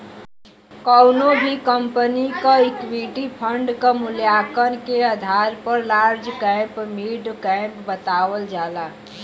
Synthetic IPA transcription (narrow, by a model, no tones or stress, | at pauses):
kəwnobʱikəmpənikaikwiʈipʰəɳɖkəmuljakənkeəd̪ʱaɾpəɾlaɾd͡ʒkɛ̃mpmiɖkɛ̃mpbət̪aʋəld͡ʒala